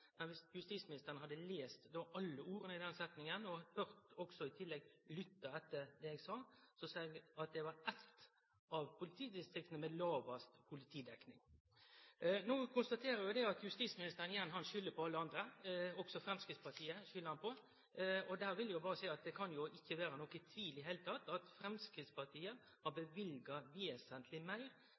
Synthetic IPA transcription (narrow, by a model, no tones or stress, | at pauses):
mɛnʋɪsjʉst̪iːsmɪnɪst̪əɾənəhɑd̪ːəleːst̪d̪oːʔɑlːəuːɾənəɪd̪ɛnsɛt̪nɪŋənɔhœʁt̪ɔɡsɔɪt̪ʰɪlːɛɡlʏt̪ːɑɛt̪ːəɾd̪ɛeːɡsɑːsɔsɑːɡɑt̪̚d̪ɛʋɑɾɛt̪ | ɑʋpʰʊlɪt̪ʰiːd̪ɪst̪ɾʏkt̪ənəmɛd̪lɑːʋɑst̪pʰʊlɪt̪ʰiːd̪ɛknɪŋ | noːkʰʊnst̪ɑt̪ʰeːɾəɾjʊd̪ɛɑt̪jʉst̪iːsmɪnɪst̪əɾənɪjɛnːhɑnʃʏlːəɾpʰɔɑlːəɑnd̪ɾəɔɡsɔfɾɛmskɾɪt̪spɑʈʰiːəʃʏləɾhɑnpʰɔ | ɔd̪æːɾʋɪljʊbɑːɾəsæɪɑt̪̚d̪ɛkʰɑnjʊʔɪçːəʋeːɾənɔkːət̪ʰʋiːlɪɦeːlət̪ʰɑt̪ːɑt̪fɾɛmskɾɪːt̪spɑʈ̪ʰiːə | hɑɾbəʋɪlɡɑʋeːsənt̪ʰlɪmæɪɾ